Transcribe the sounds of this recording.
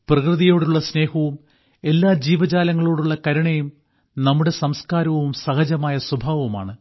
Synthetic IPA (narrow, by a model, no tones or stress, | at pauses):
prɐkrɨðijo̞ːɽuɭːɐsne̞ːhɐʋum | e̞lːaːd͡ʑiːʋɐd͡ʑaːlɐŋːɐɭo̞ːɽuɭːɐkɐɾuɳɐjum | nɐmːuɽe̞sɐmskaːɾɐʋʋumsɐhɐd͡ʑɐmaːjɐsubʱaːʋɐuma̰ːɳɨ